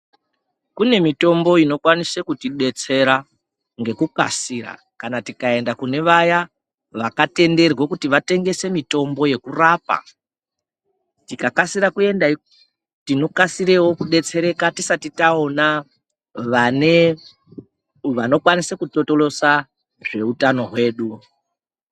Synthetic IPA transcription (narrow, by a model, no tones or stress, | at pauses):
kune̞mito̞mbo̞ino̞kwanisekutiɗe̞t͡se̞ɾa | ŋɡe̞kuka̰siɾa̰ | kanatikae̞ndakune̞ʋaja | ʋakate̞nde̞rwekutiʋate̞ŋɡe̞se̞mito̞mbo̞je̞kuraːpa̰ | tikakasiɾakue̞nda | tino̞kasiɾewo̞kuɗe̞t͡se̞ɾe̞katisatitao̞na | ʋane | ʋano̞kwanisekuto̞to̞lo̞sa | ʐe̞utano̞ɦwe̞ːɗu